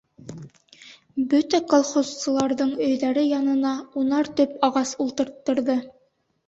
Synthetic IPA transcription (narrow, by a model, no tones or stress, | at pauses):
bɵt̪ækolˠχozsɤ̆lˠɑɾðɤɴɵ̆jðæɾɘjɑnɤ̆nɑunɑɾt̪ɵpɑʁɑsulˠt̪ɤ̆ɾt̪ːɤ̆ɾðɤ